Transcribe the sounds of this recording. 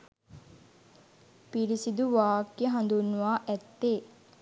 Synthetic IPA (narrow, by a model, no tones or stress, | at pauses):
piɾisid̪uʋaːkjəɦɐnd̪unːuʋaːʔɛt̪ːeː